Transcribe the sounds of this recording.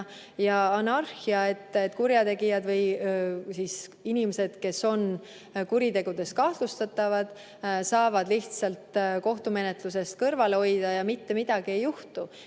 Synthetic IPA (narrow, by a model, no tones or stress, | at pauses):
jɑɑnɑrxiɑe̞t̪ːˑet̪ːˑkuɾjɑt̪e̞ɡijɑd̪vɤjsiːsinimese̞d̪̥ke̞so̞n | kuɾit̪e̞ɡ̥ud̪̥e̞st̪̚kɑht̪lust̪ɑt̪ːˑɑvɑd̪̥ | sɑːvɑd̪̥liht̪sɑlt̪ko̞ht̪ume̞ne̞t̪luse̞st̪̚kɤrvɑleo̞jd̪̥ɑjɑmit̪ːe̞mid̪̥ɑɡ̥ie̞jːuht̪u